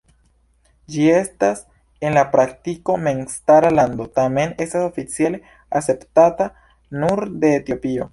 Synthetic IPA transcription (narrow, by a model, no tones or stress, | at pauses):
d͡ʒie̞stas | e̞nlapɾak̚tiko̞me̞nstaɾalando̞tame̞ne̞staso̞fit͡siale̞ | ase̞ptata | nuɾde̞ːtio̞pio̞